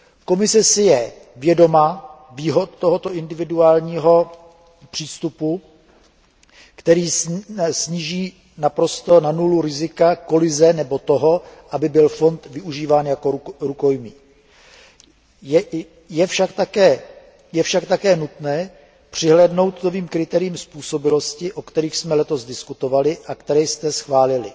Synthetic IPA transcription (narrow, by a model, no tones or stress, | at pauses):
ko̞mɪsɛsɪjɛ | vjɛdo̞maː | viːɦo̞t̪̚t̪oɦo̞t̪o̞ʔɪndɪvɪduaːlɲiːɦo̞ | pr̝̥iːst̪upu | kt̪ɛɾiːsɲiːʒiː | napɾo̞st̪o̞nanuluɾɪzɪkako̞lɪzɛnɛbo̞t̪o̞ɦo̞ʔabɪbɪlfo̞nt̪vɪʔuʒiːvaːnjakoɾuko̞jmiː | jɛ | jɛfʃakt̪akɛː | jɛfʃakt̪akɛːnut̪nɛː | pr̝̥ɪɦlɛːdno̞wt̪noviːmkɾɪt̪ɛːɾɪjiːmspuːso̞bɪlo̞scɪʔo̞kt̪ɛɾiːxsmɛlɛt̪o̞zdɪskut̪o̞valɪʔakt̪ɛɾɛjst̪ɛsxvaːlɪlɪ